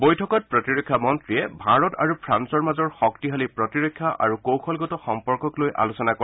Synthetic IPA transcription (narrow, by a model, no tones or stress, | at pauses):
bojtʰɔkɔt̚pɹɔtiɹɔkʰːjamɔntɹijɛbʱaɹɔta̰ɹupʰɹansɔɹmazɔɹxɔktiɦalipɹɔtiɹɔkʰːjaʔa̰ɹukowkʰɔlɡɔtɔxɔmpɔɹkɔklojʔa̰lusɔnakɔ